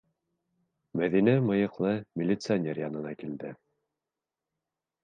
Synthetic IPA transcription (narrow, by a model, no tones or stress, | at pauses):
mæðinæmɤ̆jɤ̆qlˠɤmʲɪlʲɪt̪sɨanʲerjɑnɤ̆nɑkild̪ɘ